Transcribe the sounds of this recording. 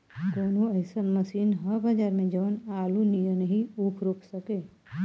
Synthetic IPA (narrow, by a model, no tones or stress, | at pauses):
koːnõɐɪsənmɐsiːnɦɐɾbad͡ʒaːɾmẽd͡ʒɐʋənaːlunijənɐɦĩuːkʰɾoːkʰsɐkeː